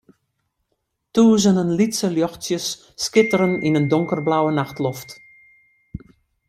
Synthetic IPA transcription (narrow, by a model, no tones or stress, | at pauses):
tuːzənənlitsəljɔxtsjəsː | kɪtəɾəninəndʊŋkərblawənaxtlɔft